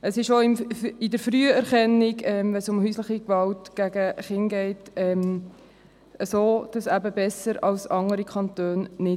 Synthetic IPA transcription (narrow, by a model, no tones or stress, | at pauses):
əsɪʃoɪmɪdəɾfɾyːəɛɾχɛnːiɡɛmvɛnsʊmɦyːslɪχikʋɑltɡ̥æɡəχɪŋɡɛɪtɛm | əsoːd̥ɑsæbəbɛsəɾɑlsɑŋəɾikʰɑntøːnːɪ